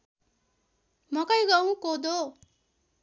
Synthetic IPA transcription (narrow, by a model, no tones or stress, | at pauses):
mʌkʌjɡʌw̃kod̪o